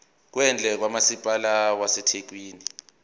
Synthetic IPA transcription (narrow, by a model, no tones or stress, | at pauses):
k̬wɛnd͡ɮʱɛk̬wamasipʼalawasɛtʰek̬wiːni